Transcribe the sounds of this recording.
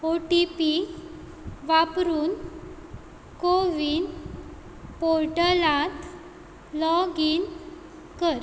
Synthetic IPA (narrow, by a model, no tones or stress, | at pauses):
oʈipi | ʋapɾuːn | koʋin | poɾʈəlãt̪ | lɔɡin | kəɾ